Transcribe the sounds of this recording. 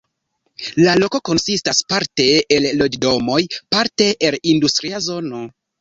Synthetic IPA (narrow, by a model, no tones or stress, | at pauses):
lalo̞ko̞ko̞nsistaspaɾte̞ːllo̞d͡ʒdo̞mo̞jpaɾte̞ʔːlindustɾiazo̞no̞